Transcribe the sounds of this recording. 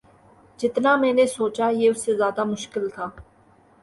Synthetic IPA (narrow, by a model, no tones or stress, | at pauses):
d͡ʒɪt̪namɛ̃ːnesoːt͡ʃajeʊsːezjaːd̪amʊʃkɪlt̪ʰaː